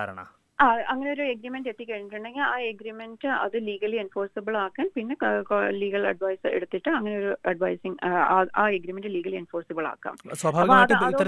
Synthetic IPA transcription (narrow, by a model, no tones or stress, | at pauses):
aːɾɐɳɐ̰ | aɐŋːɐneo̞ɾueɡɾiːmenɖet̪ːikːɐɻiɲːiʈːuɳɖeŋɡilaːeɡɾimendɨɐ̰ðɨliːɡɐlienfoːrsibɐɭaːkːaːnpinːe̞liːɡɐɭɐ̰ɖʋɐjsḛɽut̪ːiʈːɨɐŋːɐneo̞ɾuɐɖʋɐjsiŋaʔaːeɡɾimenɖɨliːɡɐlienfoːrsibɐɭa̰ːkːa̰ːmswɐbʱaːɐpːoɐɐðɨɐðːɐ